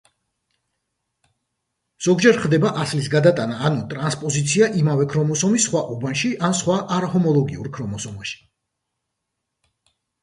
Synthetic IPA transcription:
z̥ɔɡd͡ʒɛɾχd̪ɛbaʔaslisɡad̪at̪ʼanaːnɔt̪ʼɾanspʼɔzit̪sʰiaʔimavɛkʰɾɔmɔsɔmisχwaʔubanʃiʔansχwaʔaɾahɔmɔlˠɔɡiuɾkʰɾɔmɔsɔmaʃi̥

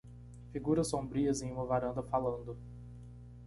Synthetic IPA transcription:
fiɡuɾɐsːõbɾiɐzẽj̃ũmɐvaɾɐ̃nd̪ɐfalɐ̃nd̪ʊ

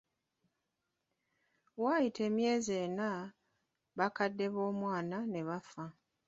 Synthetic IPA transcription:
wajitʰe̞ːmje̞ːze̞ːna | βakadːe̞βo̞ːmwaːnane̞βafa

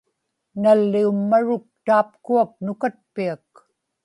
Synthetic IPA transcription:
nalːiumːaɻʊk̚t̪aːp̚kuak̚nʊkat̪̚piak

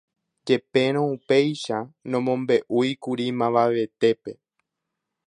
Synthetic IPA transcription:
d͡ʒe̞pe̞ɾ̃õupe̞jʃanõmõ̞mbe̞ʔujkuɾimãʋaʋe̞t̪e̞pe̞

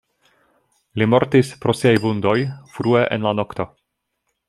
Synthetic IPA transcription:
limo̞ɾtispɾo̞siajbundo̞jfɾue̞ʔḛnlano̞kt̪o̞

